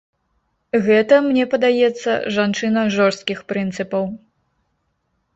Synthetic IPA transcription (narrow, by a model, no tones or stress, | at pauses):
ɣɛt̪ɐmnʲɛpɐd̪ajɛt̪sːɐ̰ʐant͡ʂɨnɐʐɔrst̪̚kʲixpɾɨnt̪sɨpɐw